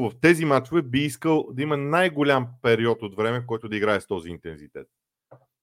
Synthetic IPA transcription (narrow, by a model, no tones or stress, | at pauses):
vəft̪ɛzimat͡ʃovɛbiiskəlˠd̪ɐimənajɡolʲampɛɾiɔt̪ot̪vɾɛmɛfkɔjt̪od̪ɐiɡɾaɛst̪ɔziːnt̪ɛnzit̪ɛ̰t̪̚